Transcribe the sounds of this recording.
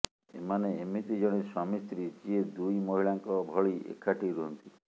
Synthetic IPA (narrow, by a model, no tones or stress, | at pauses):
ḛmaneemit̪id͡ʒɔɽ̃iɾsɔmist̪ɾit͡ʃied̪ujmoɦiɭaŋkɔbʱɔɭiḛkʰːaʈiɾuɦɔnt̪i